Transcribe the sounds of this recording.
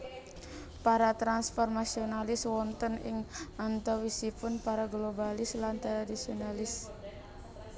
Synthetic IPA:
paɾat̪ɾansfɔrmasionalɪswɔnt̪ənɪ̰ŋant̪ɔwisipʊnpaɾaɡlobalɪslant̪ɾadisionalɪs

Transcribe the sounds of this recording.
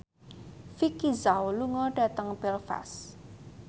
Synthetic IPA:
fikizawluŋɔɖ̥ä̤t̪əŋbɛlfa̰s

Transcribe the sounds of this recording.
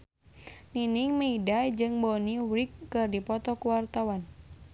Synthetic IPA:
niniŋmeidad͡ʒɨŋbɔniwɾikːɨrdipɔt̪ɔkuwart̪awan

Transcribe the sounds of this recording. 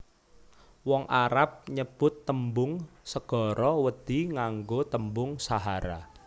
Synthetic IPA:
wɔŋʔaɾap̚ɲəb̥ʊt̪ːəmbʊŋsəɡ̥ɔ̤ɾɔwəd̪̥i̤ŋaŋɡot̪əmbʊŋsaɦaɾa̰

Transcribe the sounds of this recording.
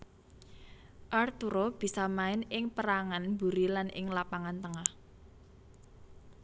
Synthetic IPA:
ʔart̪uɾob̥i̤samaɪnɪŋpəɾaŋanbṳɾilanɪ̰ŋlapaŋant̪əŋah

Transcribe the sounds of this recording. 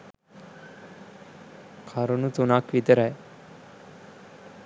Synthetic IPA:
kʰaɾonut͡sunakʋit̪əɾae

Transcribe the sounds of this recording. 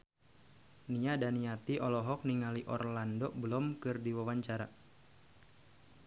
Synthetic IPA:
niadaniat̪iʔɔlɔɦɔk̚niŋaliʔɔ̰rlandɔʔbəlɔmkɨrdiwawaɲt͡ʃaɾa

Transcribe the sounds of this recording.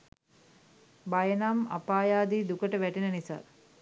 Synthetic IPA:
bajənama̰paːjaːd̪iːd̪ukəʈəʋæʈenənisa̰

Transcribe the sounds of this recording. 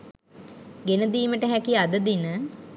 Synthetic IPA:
ɡenəd̪iːməʈəɦækiad̪əd̪inə

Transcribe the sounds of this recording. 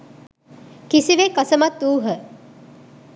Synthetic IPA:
kisiʋekɐsəmɐt̪ːuːɦə

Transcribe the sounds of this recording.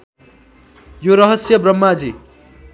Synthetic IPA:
joɾʌɦʌsjʌbrʌmːad͡zi

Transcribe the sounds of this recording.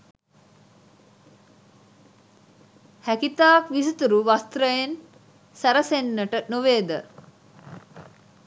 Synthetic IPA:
hækit̪aːkʋis̬ut̪uɾuʋast̪ɾəjen | sæɾəsenːəʈənoʋeːd̪ə

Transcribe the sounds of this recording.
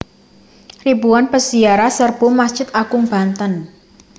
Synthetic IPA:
ribuwanpəsiaɾasərb̥umast͡ʃɪt̪̚akʊŋb̥a̤nt̪ən

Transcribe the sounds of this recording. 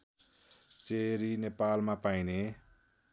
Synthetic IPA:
t͡seɾinepalmapajne

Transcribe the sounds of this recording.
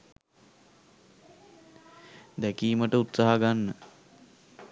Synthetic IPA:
d̪ækiːməʈəut̪saɦaɡanːə

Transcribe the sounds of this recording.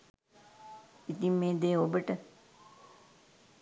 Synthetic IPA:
it̪imːeːd̪eːobəʈə

